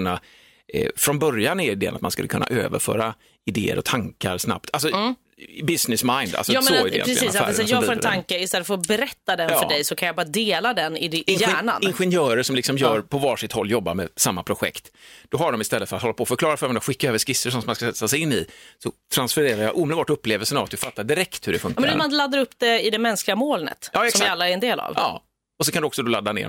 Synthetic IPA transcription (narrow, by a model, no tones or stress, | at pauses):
nːa | fɾɔnbœɾjanɪɪd̪eːə̰nat̪̚manskɵ̰lːəkʰɵnːʔa̰ʔø̰ːvə̰ɾfœ̰ːɾa | ɪd̪ḛːə̰ɾɔ̰t̪ʰaŋkaɾsna̰p̚t̪ʰalsɔ | bɪsnɪsmaɪnd̪a̰lsɔoːɪd̰ːɾɛiːsæːɾsjɑːfoːɾɛnt̪ʰaŋkəɪst̪ɛlːət̪fəɾɔbɛɾɛt̪ːad̪ɛnfœɛjsɔkʰanjabɑːɾad̪eːlad̪ɛnɪd̪ʔɪæɳa̰nɪnɧɛnjœːɾəʂɔmlɪksɔmjœːɾpʰɔvɑːʂɪt̪hɔlːjɔbːamɛsamːapʰɾʊɧɛ̰kt̪d̪̥ɔɦaɖɔmɪst̪ɛlːəfœɾat̪hɔlːapʰɔfœɾklɑːɾafœɾmɛnd̪aɧɪkːaøːvəʂkɪsːəɾʂɔnsɔmanskaɛt̪ːasɛjɪnːɪ̰sɔt̪ʰɾansfɔɾeːɾaɾjɑʔuːmɛd̪bɑːʈɵpːleːvəlsənavat̪̚d̪ɵfat̪ːaɖɪɾɛkt̪hɵɖɛfɵ̰ŋkmɛnɔmanlad̪ːaɾɵpːd̪ɛɪd̪ɛmɛnsklɪɡamoːlnə̰t̪ːksɔmalːaɛɾɛnd̪eːla̰vɑ̰ː | ɔsɔkʰand̪ɔksɔd̪ɔlad̪ːanḛːɾ